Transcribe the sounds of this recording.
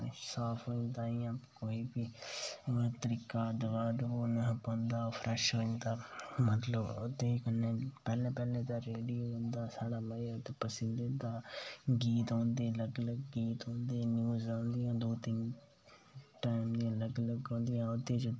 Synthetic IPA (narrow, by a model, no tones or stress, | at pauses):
saːpʰɦoːɪ̃nd̪aːiːãːkoːiːbiː | t̪əɾiːkaːd̪əʋaːd̪oːnəpõːnd̪aːoːfʰɾʔɛʃɦoːɪ̃nd̪aːmət̪ləbʊt̪ːeːkənːeːpɛːlẽːpɛːlẽːd̪aːɾeːɖijoːõnd̪aːsaːɽaːməiot̪eːpəsɪnd̪eːt̪aːɡiːt̪ɦõːnd̪eːləɡləɡːiːt̪ɦõːnd̪eːnjuːzãːnd̪ɪjãːd̪oːt̪ɪn | ʈaːɪmd̪iãləɡləɡɦõːnd̪ɪjãːʊt̪ːeːt͡ʃ